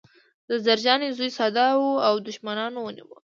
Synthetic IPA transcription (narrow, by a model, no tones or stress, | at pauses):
d̪əzaɾd͡ʒɑnezujsɑd̪ɑwuawd̪ʊʃmanɑnowənḭwə̰